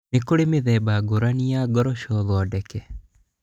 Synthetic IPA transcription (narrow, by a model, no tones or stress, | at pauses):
nekoɾemeðɛbaɡoɾaniaɡɔɾɔʃɔðɔdɛkɛ